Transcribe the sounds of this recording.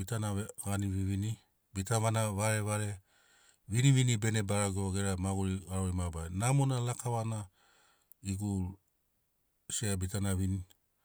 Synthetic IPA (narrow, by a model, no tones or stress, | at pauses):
itanaɡaniβiβini | bitaβanaβaɾe̞βaɾe̞ | βiniβinibe̞nebaɾaɡoɡeɾamaɡuɾiaɾoɾimabajnamonalakaβana | iɡu | seabitanaβini